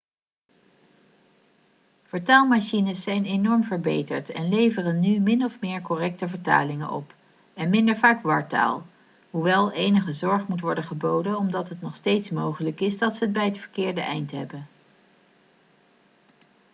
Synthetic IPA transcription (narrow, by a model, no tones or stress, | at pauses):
v̥əɹtaːlˠmaʃinəsːɛjnenɔɹmvəɹbejtə̰ɹtɛnlejvərənːymɪnɔfmɪːɹkɔrɛk̚təvəɹta̰ːlɪŋə̰nʔɔ̰p | ɛnmɪndəɹvaːkʋɑɹta̰ːlˠ | ɦuʋɛlˠejnəχəzɔɹχmutʋɔɹdəχəbowdənɔmdɑtɦətnɔχstejtsmowχələkɪzdɑtsəəd̚bɛjətfəɹkɪːɹdəʔɛ̰jntɦɛ̰bən